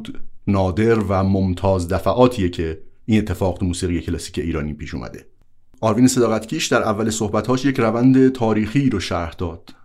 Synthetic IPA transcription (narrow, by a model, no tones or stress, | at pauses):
d̪̥nɒːd̪e̞ɾvæmomt̪ʰɒːzd̪æfæʔɒːt̪ʰiːjecʰe̞iːnet̪ʰːe̞fɒːɣt̪ʰumuːsiːɣije̞cʰelɒsiːcʰeʔiːɾɒːniːpʰiːʃṵːmʔæ̰d̪e̞̰ | ʔɒːɾviːnese̞d̪ɒːɣæt̪cʰiːʃd̪æɾʔævːælesohbæt̪hɒːʃje̞cʰɾævænd̪et̪ʰɒːɾiːxiːɾoʃæɾhd̪̥ɒːd̪̥